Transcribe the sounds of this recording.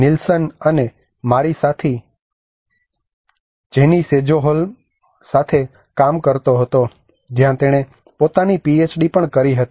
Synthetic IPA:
nɪlsənəne | maɾisat̪ʰi | d͡ʒenised͡ʒoɦol | sat̪ʰe | kamkəɾt̪oɦət̪o | d͡ʒjãt̪eɽ̃e | pot̪anipiet͡ʃɖipəɳkəɾiɦət̪i

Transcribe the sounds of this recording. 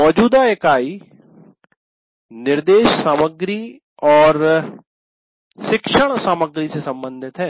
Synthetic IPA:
mɔːd͡ʒuːd̪aekaːiː | nɪɾd̪eːʃsaːməɡɾiː | ɔːɾ | ʃɪkʃəɽ̃saːməɡɾiːsesə̃mbə̃nd̪ʱɪt̪ɦɛː

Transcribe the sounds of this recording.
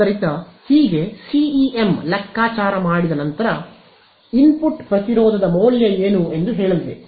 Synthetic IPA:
ɐɾit̪ɐhiːɡe̞siiʔemlɐkːaːt͡ʃaːɾɐmaːɽid̪ɐnɐnt̪ɐɾɐ | inpuʈpɾɐt̪iɾoːd̪ʱɐd̪ɐmoːljɐeːnue̞nd̪uɦeːɭɐlʋe

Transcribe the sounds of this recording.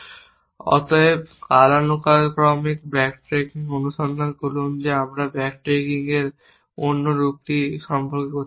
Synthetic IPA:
ɔ̰t̪oebkalanukalkɾɔmik̚bɾɛkʈɾekiŋonuʃɔnd̪ʱankolund͡ʑeamɾabɛkʈɾekiŋeɾ | onːoɾuk̚t̪iʃɔmpʰoɾkekoɾt͡ɕʰi

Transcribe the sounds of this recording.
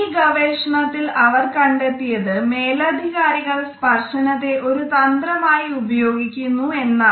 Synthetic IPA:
iɡɐʋeːʂɐɳɐt̪ːilɐʋɐrkɐɳɖe̞t̪ːijɐðɨmeːlɐd̪ʱiɣaːɾiɣɐɭspɐrʂɐɳɐt̪ːe̞ʔo̞ɾut̪ɐnd̪rɐmaːjiubɐjo̞ːɡikʲːunːue̞nːaː

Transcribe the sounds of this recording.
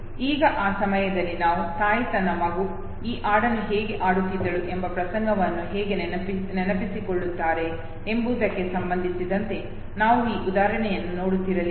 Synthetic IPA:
iːɡɐʔaːsɐmɐjɐd̪ɐlːinaːʋusaːjit̪ɐnɐmɐɡu | iːʔaːɽɐnuɦɛːɡe̞ʔaːɽut̪ːid̪ːɐɭuʔe̞mbɐpɾɐsɐŋɡʱɐʋɐnːuɦɛːɡe̞nnenɐpisikoɭːut̪ːaːɾe̞ː | mbuːd̪ɐkːe̞sɐmbɐnd̪ʱisid̪ɐnt̪e̞ | naːʋuiːʔud̪aːɾɐɳɛjɐnːuno̞ːɽut̪ːiɾɐli

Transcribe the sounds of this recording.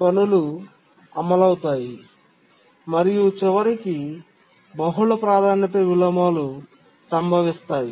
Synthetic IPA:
pɐlulu | ɐmɐlɐwut̪aːji | mɐɾijut͡ʃiʋɐɾiki | bɐɦuɭɐpɾaːd̪ʱaːnjɐt̪ɐʋilɐmaːlu | sɐmbʱɐʋist̪aːji

